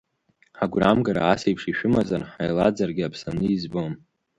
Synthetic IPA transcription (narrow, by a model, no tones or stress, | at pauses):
ħaɡʷramɡaɾa̰asejpʰʂiʃᶣʊmazarħajlad͡zarɡʲɪapʰsanɨizbom